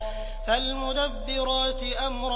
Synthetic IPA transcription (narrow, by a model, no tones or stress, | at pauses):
falmʊd̪abːɪɾɑːt̪ɪʔamɾ